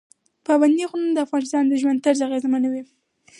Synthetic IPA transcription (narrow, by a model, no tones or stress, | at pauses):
pɑband̪ixnand̪əafɣɑnɪst̪ɑnd̪əʒwand̪t̪əɾzaɣezmanawi